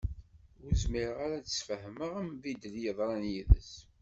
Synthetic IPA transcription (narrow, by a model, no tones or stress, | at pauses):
ʊɾzmiɾʁaɾæt͡səsfəhməʁəmvid̪əljəðˤɾˤɑnjiðə̰s